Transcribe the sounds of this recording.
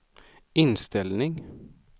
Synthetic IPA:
ɪnst̪ɪlnɪŋ

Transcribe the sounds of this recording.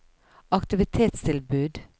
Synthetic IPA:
ɑkt̪ɪʋɪt̪ʰeːt̪st̪ʰɪlbʉːd̪

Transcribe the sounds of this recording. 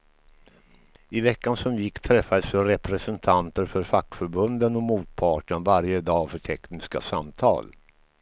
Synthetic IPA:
ɪvɛkːansɔmjɪkːt̪ʰɾɛfːad̪əsɔɾɛpɾɛsɛnt̪ʰant̪əɾfœɾfakːfœɾbɵnd̪ənɔmuːt̪̚pʰɑːʈənvaɾjəd̪ɑːfœʈʰɛknɪska̰sa̰mt̪ʰɑ̰ːl

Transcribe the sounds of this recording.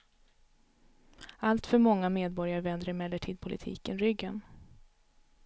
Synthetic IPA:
alt̪fœɾmɔŋːameːd̪̚bɔɾjaɾəvɛnd̪ɾɛɾmɛlːəʈʰid̪̚pʰʊlʔɪ̰t̪ʰḭːkənɾʏɡːən

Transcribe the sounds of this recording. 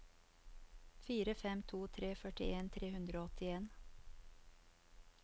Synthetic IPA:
fiːɾəfɛmt̪ʰuːt̪ʰɾeːfœʈɪ̰ʔeːnt̪ʰɾʔeːhʉnd̪ɾoːɔt̪ɪeːn

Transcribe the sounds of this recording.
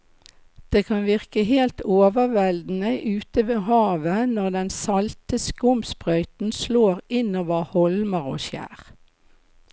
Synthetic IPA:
d̪̥eːkʰɑnʋɪʁkəɦeːlt̪oːʋəʁʋɛld̪n̩əʔʉːt̪əʋeːhɑːʋənɔʁd̪ɛnsɑlt̪əskʊmspʁœʏt̪n̩sloːʁɪnoːʋəhɔlməʁo̰ːʃjæ̰ːʁ

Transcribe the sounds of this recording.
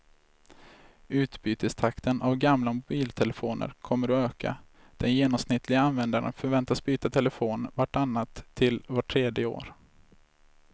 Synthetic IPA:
ʉ̟ːt̪byːt̪əst̪ʰakt̪ʰənavɡamlamʊbiːlt̪ʰɛlɛfoːnə̰ɾkʰɔmːəɾɔøːka̰ | d̪̥ɛnjeːnɔmsnɪt̪ʰːlɪɡaanvɛnd̪aɾə̰nfœɾvɛnt̪asbyːt̪at̪ʰɛləfoːnvaʈːanːat̪ʰːɪlvoːʈʰːɾeːd̪jəo̰ːɾ

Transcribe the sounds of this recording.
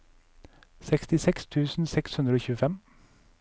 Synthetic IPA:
sɛkst̪ɪsɛkst̪ʰʉːsn̩sɛkshʉnɾəoːçʉːəfɛm

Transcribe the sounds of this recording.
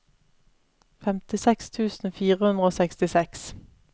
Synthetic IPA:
fɛmt̪ɪsɛkst̪ʰʉːsn̩fiːʁəhʉnd̪ʁəoːsɛkst̪ɪsɛks

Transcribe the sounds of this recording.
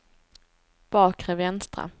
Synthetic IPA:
b̥ɑːkɾɛvɛnst̪ɾa̰

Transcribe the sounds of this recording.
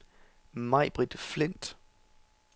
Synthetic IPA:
maɪb̥ʁid̥flen̰d̥

